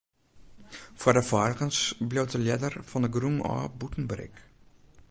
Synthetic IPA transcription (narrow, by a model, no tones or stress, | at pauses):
fuərdəfɑrχənsbliwtəlɛdərfɑndəɡrumɑ̰ːbutən̩bɾɛ̰k